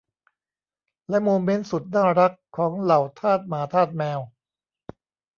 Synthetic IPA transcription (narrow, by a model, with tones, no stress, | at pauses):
lɛ˦˥ʔmoː˧me˦˥nsu˨˩t̪̚naː˥˩ɾa˦˥kʰːɔː˩˦ŋla˨˩wt̪ʰaː˥˩t̪̚maː˩˦t̪ʰaː˥˩t̪̚mɛː˧w